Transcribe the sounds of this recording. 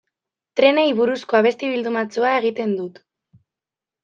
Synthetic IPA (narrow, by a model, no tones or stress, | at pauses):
t̪ɾe̞nejβuɾusko̞aβ̞e̞st̪iβ̞ild̪umat͡suae̞ɣ̞it̪e̞nd̪ut̪